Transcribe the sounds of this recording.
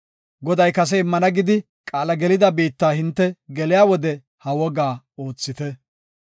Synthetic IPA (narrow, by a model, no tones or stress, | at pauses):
ɡɔd̪ɐjkɐs̬ɛɪmːɐnɐɡɪd̪ɪ | kʼaːlɐɡɛlɪd̪ɐbiːt̪ːaːhɪnt̪ːɛɡɛlɪjaːwɔd̪ɛ | hɐwɔɡaː | o̞ːt͡sːɪt̪ɛ